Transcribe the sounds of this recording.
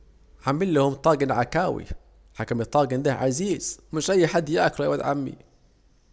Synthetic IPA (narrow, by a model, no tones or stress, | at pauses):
ʕamːilːɪhʊmt̪ˤɑːɡenʕakæːwḭ | ħakæmit̪ˤːɑːɡend̪æʕaziːz̥mɪʃʔæjːħad̪ːjæʔækɾˤɑjwæd̪ʕamːḭ